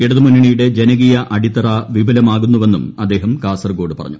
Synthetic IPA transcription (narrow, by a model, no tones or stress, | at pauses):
eɽuðumunːiɳijuɽe̞d͡ʑe̞nɐɣijɐʔɐɽit̪ːɐrɐʋibʱɐlɐmaːɣunːuʋe̞nːumɐd̪ːe̞ːɦɐmkaːsɐrɡo̞ːɽɨpɐrɐ̰ɲːu